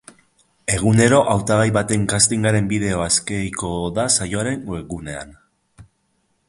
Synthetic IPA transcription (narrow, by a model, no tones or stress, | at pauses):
e̞ɣ̞une̞ɾo̞ʔawt̪aɣajβat̪e̞ŋkast̪iŋɡaɾe̞mbiðe̞o̞aske̞jko̞ðasajo̞aɾe̞ŋeɣune̞a̰n